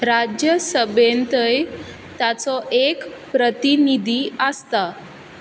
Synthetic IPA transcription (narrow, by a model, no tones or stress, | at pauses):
ɾad͡ʑjəsəbent̪əj | t̪at͡sɔʔekpɾət̪inid̪ʱiəst̪a